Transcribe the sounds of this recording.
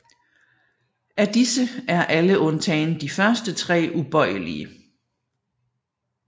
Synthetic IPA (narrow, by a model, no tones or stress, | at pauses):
æd̥isəʔæɐʔæləʔɔ̽nt͡sʰɛ̰ːnəd̥ifɶɐsd̥ət͡sʰʁɛ̰ːʔub̥ɒ̽ɪ̰əlḭə